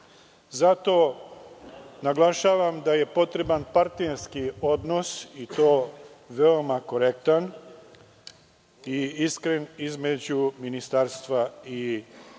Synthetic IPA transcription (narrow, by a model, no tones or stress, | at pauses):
zat̪o̞ | naɡlaʃaːʋamd̪aje̞po̞t̪ɾe̞banpaɾt̪neɾskio̞d̪no̞sit̪oːʋeo̞mako̞ɾe̞kt̪an | iiskɾenizme̞d͡ʑuminist̪aɾst̪ʋai